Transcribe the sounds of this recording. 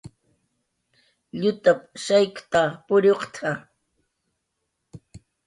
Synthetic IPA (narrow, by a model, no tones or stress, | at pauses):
ʎʊt̪apʃajkt̪apʊɾoqt̪ʰa